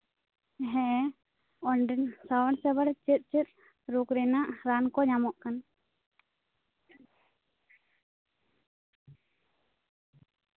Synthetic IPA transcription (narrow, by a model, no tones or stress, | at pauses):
ɦɛ̃ɛ | ɔɳɖənsawəɳsɛbəɽt͡ʃit̪̚ˀt͡ʃit̪̚ | ɾukɾɛnaʔɾankɔɲamɔʔkan